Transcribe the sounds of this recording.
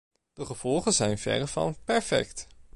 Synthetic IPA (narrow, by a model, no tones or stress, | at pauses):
d̥əχəv̥ɔlˠχənzɛjnvɛ̰rəvɑ̰npɛɹfɛ̰kt